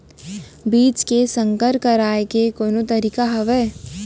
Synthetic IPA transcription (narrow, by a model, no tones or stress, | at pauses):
biːt͡ʃkesə̃ŋkəɾkəɾaːekekoːnot̪ɐɾiːkaɦɐʋeː